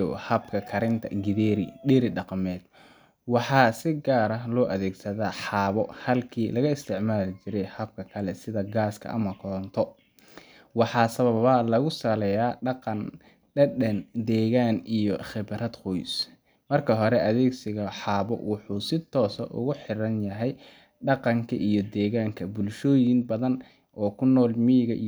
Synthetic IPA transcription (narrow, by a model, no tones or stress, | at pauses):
hɐbkʰɐkʰɐɾɪnt̪ʰɐ̰ɡɪðɛːɾɪ̰ɗɪɾɪɖɑqmɛːd̪̥ | wɑħɑːsɪɡaːɾɐɦlɔːʔɐðɛːɡsɐðaːħɑːβɔhɐlkʰiːlɐɣɐɪst̪ʰɪʕmaːlɪt͡ʃɪɾɛjhɐb̚kʰɐkʰɐlɛsɪðɐɡaːskʰɐ̰ʔɐmɐkʰɔnt̪ʰɔ | wɑħɑːsɐβɐβɐlɐɣʊsɐlɛjaːɖɑqɑn | ɖɛɗɛnd̪ɛːɣaːnijɔχɪbɾɐd̪qɔjs | mɐrkʰɐɦɔɾɛʔɐðɛːɡsɪɣɐħɑːβɔ̰wʊħuːsɪt̪ʰːɔːsɐ̰ʔʊ̰ɣʊħɪɾɐnjɐɦɛj | ɖɑqɑŋkʰɐ̰ʔijɔd̪ɛːɣaːŋkʰɐbʊlʃɔːjɪnbɐðɐn | ʔɔːkʰʊnɔːlmiːɣɐʔi